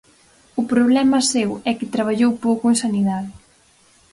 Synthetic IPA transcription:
ʊpɾoβlɛmɐsewɛkɪt̪ɾaβ̞aʎowpowkʊeŋnsaniðaðɪ

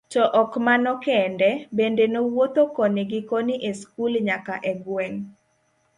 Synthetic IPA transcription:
t͡ʃɔʔɔkmanɔkɛndɛbendenowot̪okɔneɡɪkoniʔeskulɲakaʔɛɡwɛŋ

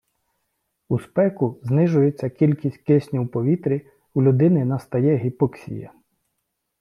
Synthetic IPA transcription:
uspɛkʊznɪʒʊjet͡sʲːɐkʲilʲkʲisʲt̚ʲkɪsʲnʲiwpɔʋʲit̪ɾʲi | ulʲʊd̪ɪnɪnɐst̪ɐjɛɦʲipɔksʲḭjɐ̰

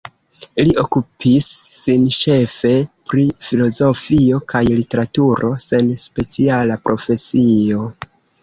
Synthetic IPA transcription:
liʔo̞kupʰisːinʃe̞fe̞pɾifilo̞zo̞fio̞kʰajlite̞ɾatuɾʔo̞se̞nspe̞t͡sialapɾʔo̞fe̞sio̞

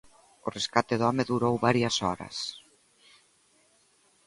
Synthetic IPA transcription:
ʊreskat̪eðɔmeðuɾowβaɾjɐsɔɾɐ̰s

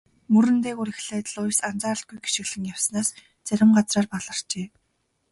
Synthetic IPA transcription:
mɵɾɘ̆nt̪eːɣuɾixɮæːt̪̆ɮʊjsant͡saːrə̆ɬt̪̚ɡujɡi̥ʃɪ̆ɣɮɘ̆ŋjawsnaːs | t͡sæɾʲɪ̆mɢat͡sraːrpaɮə̆r̥t͡ɕeː

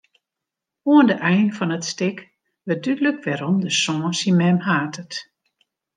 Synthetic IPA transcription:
uəndəʔɛjnfɔnətstɪk | ʋədydləkʋɛɾɔmdəsɔ̃ːsimɛmhaːtʰət

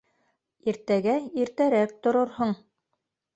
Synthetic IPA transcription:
iɾt̪æɡæiɾt̪æɾæk̚t̪ŏɾoɾhoɴ

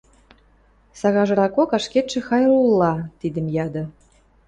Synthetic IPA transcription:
sɑɣɑʒɤ̆ɾɑkokɑʃket̪ʃĕxɑjrulːɑt̪id̪ə̆mjɑd̪ɤ̆

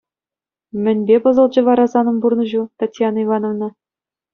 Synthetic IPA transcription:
mʲɘ̆nʲbʲepɤ̆zɤ̆lˠd͡ʑɤ̆ʋɑɾɑzɑnɤ̆mburnɤ̆ʑut̪ɑtʲjɑnivɑnovnɤ̆

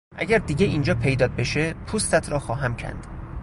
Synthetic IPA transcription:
ʔæ̰ɡʲæɾd̪iːɟʲeiːnd͡ʒɒːpʰe̞jd̪ɒːt̪̚beʃepʰust̪æt̪ʰɾɒːxɒːɦæmcʰæ̰nd̪̥

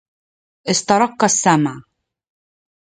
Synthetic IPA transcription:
ʔɪst̪ɑɾˤɑqːasːamʕ

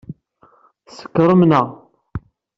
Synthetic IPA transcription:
sə̥kːɾˤəmnəʁ

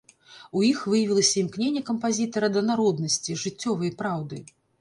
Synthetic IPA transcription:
ujixvɨjɐvʲilˠɐsʲɐimknʲenʲːɛkɐmpazʲit̪ɐɾɐd̪ɐnaɾɔd̪nɐsʲt͡sʲiʐɨt͡sʲːɔvɐjpɾawd̪ɨ

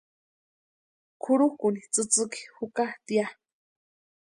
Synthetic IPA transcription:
kʰuɾukunit͡sɨt͡sɨki̥hukat̪ia

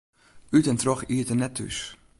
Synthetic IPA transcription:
ytɛntrɔχiətənɛtʰːʉ̰s

